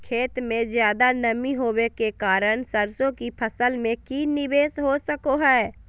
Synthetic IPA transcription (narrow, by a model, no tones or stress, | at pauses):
kʰeːt̪mẽzjaːd̪anɐmiɦoːwekekaːɾəɳ̃səɾsõkipʰɐsəlmẽkinɪbeːsɦosəkoɦɛː